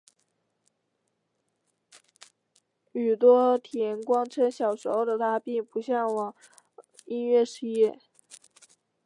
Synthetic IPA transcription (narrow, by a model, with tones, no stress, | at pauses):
y˨˩t̪wɔ˥t̪ʰjɛ˧˥nkwɑ˥ŋʈ͡ʂʰə˥nɕjɑ˨˩ʊʂo˧˥ʊd̪ə˨t̪ʰa˥pi˥˩ŋpu˧˥ɕjɑ˥˩ŋwɑ˨˩˦ŋ | i˥nɥɛ˥˩ʂɻ̩˥jɛ˥˩